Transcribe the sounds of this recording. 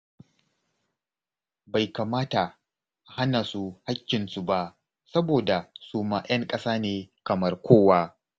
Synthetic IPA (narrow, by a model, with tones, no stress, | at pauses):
ba˨jka˨maː˦ta˨ | ʔa˨ha˦naː˨su˨ha˦kʲːɪ˨nsu˦˨ba˦ʔ | sɐ˦boː˨da˨su˦maː˦j̰ɐ˦ŋkʼɐ˦saː˦neː˨kɐ˨mɐ˦rkʷoː˦˨waː˦